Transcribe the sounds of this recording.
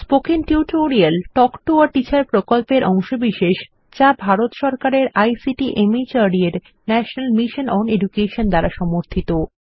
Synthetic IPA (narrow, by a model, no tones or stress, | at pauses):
spokiŋʈiʈoɾialʈɔkʈoaɾʈit͡ɕaɾpɾokolpeɾʔɔŋʃobiʃeʃ | t͡ɕabʱaɾot̪ʃɔɾkaɾeɾajsiʈiʔemit͡ɕaɾieɾ | nɛʃonalmiʃonɔneɖukeʃond̪aɾaʃɔmoɾt̪ʰit̪o